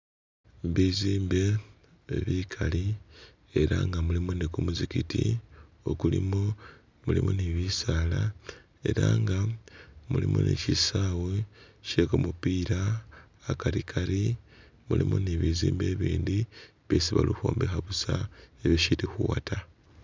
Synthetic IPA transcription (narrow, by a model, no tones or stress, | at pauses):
βiziːmbe̞ | βikʰali | e̞ɾaŋɡamulimunikumuzikitio̞kulimo | mulimuniβisaːla | e̞̰ɾaŋɡamulimunḭcisaːweʃekumupiːɾaː | kaɾikʰaɾimulimuniβiziːmbeβiːndi | βesiβa̰luxo̰ːmbexaβusaeβjoʃiɾixuwa̰tʰa